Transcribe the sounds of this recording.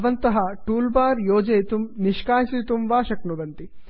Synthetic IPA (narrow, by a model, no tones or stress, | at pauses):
ʋɐnt̪ɐɦɐʈuːlbaːɾjoːd͡ʒejt̪umniʃkaːisit̪umʋaːʃɐknuʋɐnt̪i